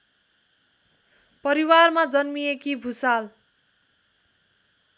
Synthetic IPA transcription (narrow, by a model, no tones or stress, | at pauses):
pʌɾiwarmad͡zʌnmiekibʱusal